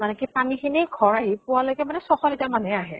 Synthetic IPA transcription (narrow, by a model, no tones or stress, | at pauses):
manɛkipanixʰinejɡʱɔɹaɦipʊwalojkɛmanɛsɔxɔlitamanɛaɦɛ̰